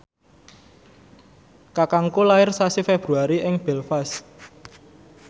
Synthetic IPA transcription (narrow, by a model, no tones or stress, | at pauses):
kakaŋkolaɪrsasifeb̥ɾuaɾiʔɪŋb̥ɛlfas